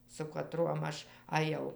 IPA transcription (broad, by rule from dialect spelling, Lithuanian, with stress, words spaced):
sʊ kɐˈtruɔm ˈɐʃ ɐˈjɛʊ